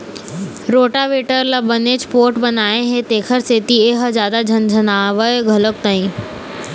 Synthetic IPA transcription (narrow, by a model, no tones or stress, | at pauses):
ɾoːʈaʋeːʈəɾlabɐneːd͡ʑpoːɾʈbɐnaːẽɦet̪eːkʰəɾseːt̪ieɦəzjaːd̪ad͡ʒʱɐnd͡ʒʱɐnaːʋəɡʱɐlək̚t̪aːĩː